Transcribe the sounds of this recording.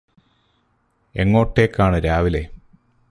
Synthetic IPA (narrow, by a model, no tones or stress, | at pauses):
e̞ŋːo̞ːʈːeːkːaːɳɨɾaːʋile